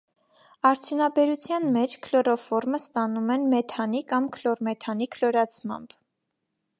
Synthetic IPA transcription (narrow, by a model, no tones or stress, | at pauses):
ɑɾt͡sʰjunɑbɛɾut͡sʰjɑnmɛt͡ʃʰkʰlɔɾɔfɔɾməst̪ɑnumɛnmɛt̪ʰɑnikɑmkʰlɔɾmɛt̪ʰɑnikʰlɔɾɑt͡sʰmɑ̰mb̥